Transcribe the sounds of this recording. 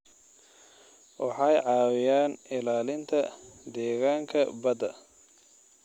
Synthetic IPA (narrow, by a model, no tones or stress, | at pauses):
wʔɑħɑjʕɑːwɪjaːnɪlaːlɪnt̪ʰɐd̪ɛːɣaːŋkʰɐbɐd̪ɐ